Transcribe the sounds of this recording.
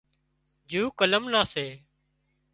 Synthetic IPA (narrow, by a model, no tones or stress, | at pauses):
d͡ʒuːkələmnaːseː